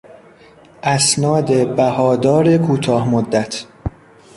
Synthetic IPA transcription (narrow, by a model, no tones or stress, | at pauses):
ʔæsnɒːd̪e̞bæhɒːd̪ɒːɾe̞kʰuːt̪ʰɒːhmod̪ːæt̪ʰ